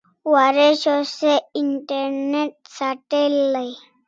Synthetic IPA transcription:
waːɾeʃoseɪɳʈəɾneʈ̚saʈelːəi

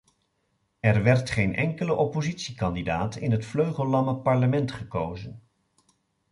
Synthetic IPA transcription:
ɛɹʋɛɹtχejnʔɛŋkələʔɔpozitsikɑndidaːtɪnɦətfløɥχəlˠːɑməpɑɹləmɛntχəkowzən

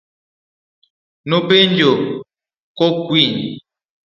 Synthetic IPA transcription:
nopend͡ʒo | kokwin

